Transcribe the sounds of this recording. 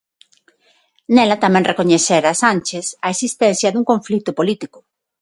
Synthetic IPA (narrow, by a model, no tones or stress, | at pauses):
nelat̪amɛ̃ŋrekoɲeθeɾasanʲt͡ʃesɐesist̪ɛnθjɐðuŋkõɱflit̪ʊpolit̪ikʊ